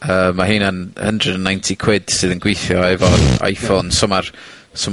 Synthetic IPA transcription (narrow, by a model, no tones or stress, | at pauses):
əːmːaɦiːnənhəndrədənːajntʰikʰw̥ɪd̥sɨːðənɡwejθjɔɛvɔa̰jfonsəmar | sə